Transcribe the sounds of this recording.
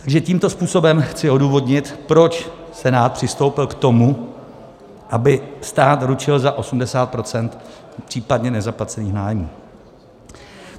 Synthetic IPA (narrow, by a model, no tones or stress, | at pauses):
t̪aɡʒɛciːmt̪o̞spuːso̞bɛmxt͡sɪo̞duːvo̞dɲɪt̪pɾo̞t͡ʃ | sɛnaːt̪̚pr̝̥ɪst̪o̞wpɪlkt̪o̞mu | ʔabɪst̪aːt̪ɾut͡ʃɪlzaʔo̞sumdɛsaːt̪̚pɾo̞t͡sɛnt̪ | pr̥iːpadɲɛnɛzaplat͡sɛniːxnaːjmuː